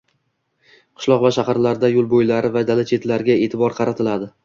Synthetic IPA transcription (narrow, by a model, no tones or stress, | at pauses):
qʰʊ̥ʃlˠɒqvaʃahɑɾlaɾd̪ajʊlˠbojlaɾɪvad̪alat͡ʃʰe̞t̪laɾɡʲae̞t̪ʰɪbɒɾqʰɑɾat̪ʰɪlad̪ɪ